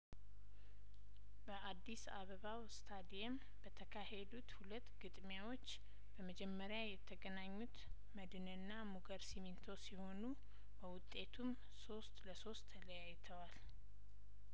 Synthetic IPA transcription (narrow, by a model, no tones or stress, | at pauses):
bəʔad̪ːisa̰βəβawst̪ʰad̪iɛm | bət̪ʰəkʰahed̪ut̪hulət̪ːɡɨt̪ʼmjawo̞t͡ʃː | b̥əməd͡ʒɛmːəɾjajɛt̪ʰːəɡənaɲːut̪ | məd̪ɨnɨnːamuɡəɾsimint̪ʰo̞siho̞nu | bəwʊt̪ʼːe̞t̪ʰum | so̞st̪ləso̞st̪ʰːələjajːt̪ʰəwal